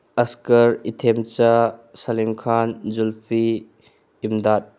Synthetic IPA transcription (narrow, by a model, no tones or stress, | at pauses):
ɐskɐɾitʰemt͡ʃasalimkʰanzulpʰiː | mdat̚